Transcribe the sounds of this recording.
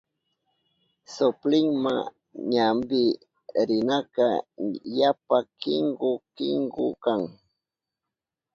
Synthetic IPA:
sʊplɪŋma̰ | ɲambɪ | ɾɪnaka̰japakɪŋɡʊkɪŋɡʊkaŋ

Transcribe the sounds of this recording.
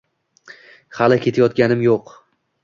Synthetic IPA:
halɪkʲʰe̞t̪ʰajɒt̪̚ɡʲanɪmjoq

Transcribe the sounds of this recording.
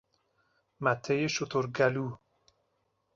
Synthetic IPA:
mæt̪ʰːejeʃot̪ʰoɾɡæluː

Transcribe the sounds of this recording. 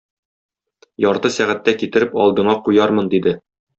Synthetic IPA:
jɒɾt̪ɤsæʁæt̪ːækit̪ɘ̆ɾɘpɒlˠd̪ɤ̆ɴɑqujɑɾmɤnd̪id̪ɘ

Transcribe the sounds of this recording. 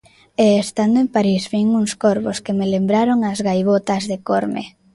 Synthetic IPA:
eːst̪and̪oempaɾizβiŋuŋskoɾβoskemelembɾaɾoŋazɣajβot̪ɐzðekoɾmḛ

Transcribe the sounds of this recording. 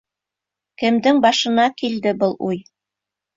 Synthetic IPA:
kɘ̆md̪ɘŋbɑʃɤ̆nɑkild̪ɘbɤlˠʔuj

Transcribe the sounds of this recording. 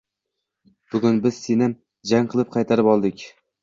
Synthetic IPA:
b̥ʊɡʲʊnbɪz̥senɪ | d͡ʒaŋqʰɨlˠɪp̚qʰɑjt̪ʰaɾɪpɒlˠd̪ɪkʲ

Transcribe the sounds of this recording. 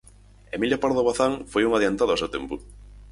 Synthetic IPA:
emiljopaɾðoβaθaŋfojuŋaðiant̪aðoawsewt̪empʊ

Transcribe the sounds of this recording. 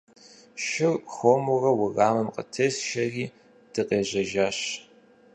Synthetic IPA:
ʃɪrxʷoːmuʊrɐwʊɣaːmɨmqə̰tʰesʃɐriː | d̥ɨqʼeːʑɐʒaːɕ

